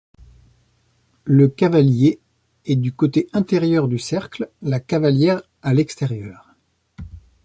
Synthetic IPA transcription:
ləkavalje | ɛd̪ykot̪eʔɛ̃t̪ɛʁjœʁd̪ysɛʁkllakavaljɛʁ | alɛkst̪ɛʁjœːʁ

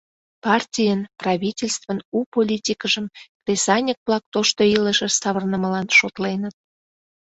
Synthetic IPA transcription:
pɑrtʲijənprɑβʲitʲelʲst̪vənupolʲitʲikəʒəmkt̪esɑnʲəkβlɑk̚t̪oʃt̪oiləʒə̆sɑβərnəməlɑnʃot̪lenət̪̚

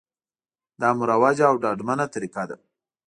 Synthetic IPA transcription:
d̪ɑmʊɾawad͡ʒaːwɖɑɖmanat̪aɾikad̪a̰

